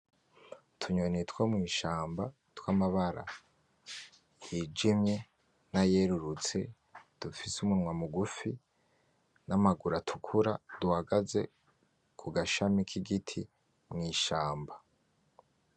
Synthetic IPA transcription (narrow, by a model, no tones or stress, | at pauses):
tʰuɲonitwomŋiːʃaːmba | twamaβaɾa̰ | jid͡ʒimɲe̞ | naje̞ɾuɾut͡se̞̰ | d̥ufisumunŋwamuɡufi | namaɡuɾatʰu̥kʰuɾad̥uhaɡaze̞̰ | kʰuɡaʃamikʰiɡitʰi | mŋiːʃaːmba